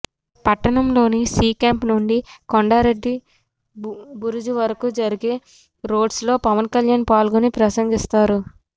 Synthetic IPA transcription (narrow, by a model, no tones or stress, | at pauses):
pɐʈːɐɳɐmlo̞ːnisiːkaːmpnuɳɖikoɳɖaːɾe̞ɖːi | buɾud͡ʒuʋɐɾɐkud͡ʒɐɾiɡe | ɾo̞ːɖslo̞ːpɐʋɐnkɐljaːnpaːlɡunipɾɐsɐŋɡist̪aːɾu